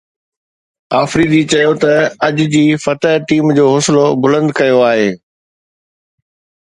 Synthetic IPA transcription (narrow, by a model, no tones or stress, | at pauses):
aːfɾiːd̪it͡ɕɐjot̪ɐɐd͡ʑd͡ʑiːfɐt̪əɦʈiːmd͡ʑoːɦoːsɪlobʊlə̃nd̪kɐjoaːɦeː